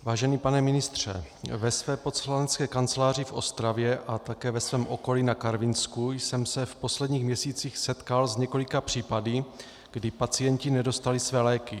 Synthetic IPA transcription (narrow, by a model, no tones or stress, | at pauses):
vaːʒɛnipanɛmɪnɪst̪r̝̥ɛ̰vɛsvɛːpot̪slanɛt͡skɛːkant͡sɛlaːr̝ɪfʔo̞̰st̪ɾavjɛʔat̪akɛːvɛsvɛːmʔo̞ko̞linakaɾvɪnskujsɛmsɛfpo̞slɛdɲiːxmɲɛsiːt͡siːxsɛt̪kalzɲɛko̞lɪkapr̝̥iːpadi | ɡ̥dɪpat͡sijɛɲcɪnɛdo̞st̪alɪsvɛːlɛːkɪ